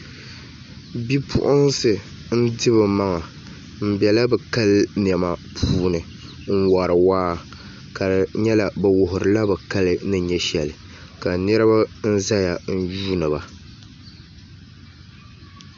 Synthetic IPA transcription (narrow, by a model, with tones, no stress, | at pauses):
bi˦pʰʊ̰˦ʔʊ˦ŋsɨ˨ | n̩˦dɨ˦bɨ˨ma˦ŋa˨ | m̩˨bɛ˨la˦bɛ˨ka˦lɨ˦n˨ɛ˨ma˨pʰuː˦nɨ˨ | ŋ̩˦wa˨ɾɨ˨waː˦ | ka˨ɲɛ˦la˨bɛ˨wʊ˨ɦʊ˨ɾɨ˨la˦bɛ˨ka˦lɨ˦nɨ˦ɲɛ˦ʃɛ˨lɨ˨ | ka˨nɛ˦ɾɨ˦ba˦n̩˦za˦ja˨n̩˦juː˦nɨ˨ba˨